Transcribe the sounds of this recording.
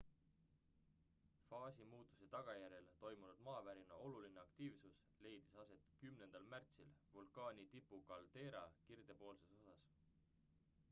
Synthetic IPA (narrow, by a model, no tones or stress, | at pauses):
fɑːsimuːt̪ːˑu̥se̞t̪ɑɡ̥ɑjæɾe̞lt̪o̞jmunud̪̥mɑːvæɾinɑʔo̞luline̞ɑkt̪iːvsus | le̞jd̪̥isɑse̞t̪kymne̞nd̪̥ɑlmært̪silvulkˑɑːnʲit̪ipːˑukɑld̪̥e̞ːɾɑ̰kird̪̥e̞po̞ːlseso̞sɑs